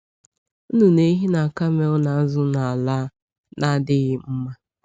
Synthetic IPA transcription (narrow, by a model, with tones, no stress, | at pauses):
u˦nu˨ne˦ɦi˦na˨ka˦me˦ʊ˦na˨˦zʊ˦na˨a˨la˦ | na˦dɪ˦ɣɪ˦m̩˦ma˦